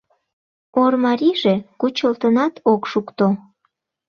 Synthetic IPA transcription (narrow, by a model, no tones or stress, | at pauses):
ormɑɾiʒekut͡ɕəlt̪ənɑt̪ʰokʃukt̪o